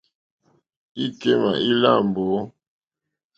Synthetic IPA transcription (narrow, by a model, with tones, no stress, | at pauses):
i˦ke˦ma̰˨ʔi˦la̰˦˨mbo˨˦